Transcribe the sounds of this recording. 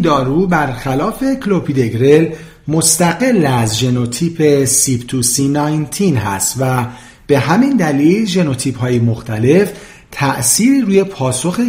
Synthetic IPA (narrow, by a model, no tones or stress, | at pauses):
d̪ɒːɾuːbæɾxælɒːfe̞kʰlo̞pʰid̪e̞ɡɾel | most̪æɡe̞lːæzʒe̞no̞t̪ʰiːpʰe̞sipt̪ʰusinɒːjnt̪ʰinɦæ̰st̪væ | b̥e̞ɦæmind̪æliːlʒe̞no̞t̪ʰiːphɒːjemoxt̪ʰæle̞f | t̪ʰæʔsiːɾiɾuːje̞pʰɒːso̞xe